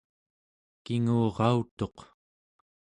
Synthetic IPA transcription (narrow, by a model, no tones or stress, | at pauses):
kiŋuːʁɑut̪o̞q